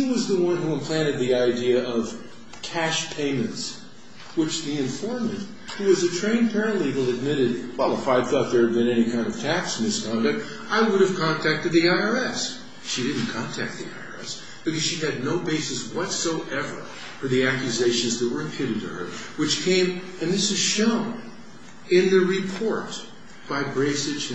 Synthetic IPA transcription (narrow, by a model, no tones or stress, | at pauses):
iwʌzðəwʌ̃nhuə̃mpʰl̥æ̃ɾ̃ɨd̪̚ðiaɪdiɨʌv̥ | kʰæʃpʰẽɪ̃mɨ̃nts | wɨt͡ʃðiɨ̃ɱfɔɹmɨ̃nt | huwʌzɨtʰɹ̥ẽɪ̃npʰɛɹɨ̃nʔliɡl̩ˠɨd̚mɪɾɨd̚wɛlˠəfaɪθɔt̪̚ðə˞ɨd̚bɨ̃nɛñikʰãɪ̃ndʌv̥tʰæksn̩ðɪskʰɑ̃ndɨk̚t̚ | aɪwʊɾɨv̥kʰɑ̃ntʰæk̚tɨd̪̚ðiaɪə˞ɛs | ʃiɾɪdⁿn̩kʰɑ̃ntʰæ̰k̚t̪̚ðḭa̰ɪə̰˞ɛ̰s | b̥ɨkʌz̥ʃiɨdⁿnoʊbeɪsɨswʌtsoʊʔɛvə̰˞ | fə˞ðiækjɨzeɪʃɨ̃nzðɨt̚wə˞ɨ̃mpʰj̥ʉɾɨd̚tɨ̰ə̰˞ | wɨt͡ʃkʰẽɪ̃m | ɨ̃nðɪsɨz̥ʃõʊ̃n | ɪ̃nðɨɹɨpʰɔɹt̚ | b̥aɪbɹeɪsɨd͡ʒ